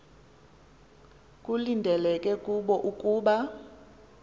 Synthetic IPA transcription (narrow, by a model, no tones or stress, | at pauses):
kʼulindʱɛlɛkʼɛkʼuɓɔʔukʼuːɓa